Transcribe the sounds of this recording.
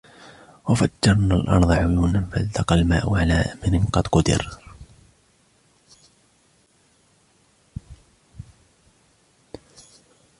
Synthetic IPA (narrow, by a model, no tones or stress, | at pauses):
wafadːɑɾˤnalʔɑ̰nðˤɑʕjunamfalt̪ɑqɑlma̰ːʔʊʕalaːʔamɪɾɪnqɑd̪qʊd̪ɪ̰ɾ